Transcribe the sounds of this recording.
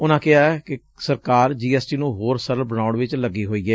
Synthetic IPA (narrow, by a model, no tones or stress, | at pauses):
ʊnãːkɪɦaːɛːkɪ | səɾkaːɾd͡ʒiːɛːsʈiːnũːɦoːɾsəɾəlbəñaːʊɳʋɪt͡ʃləɡiːɦoːiːɡɛː